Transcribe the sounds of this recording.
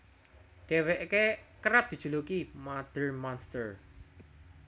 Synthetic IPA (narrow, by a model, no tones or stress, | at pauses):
d̪̥eweʔkekəɾap̚d̥̪i̤d̥ʒ̥ulukimad̪̥ərmɔnst̪ər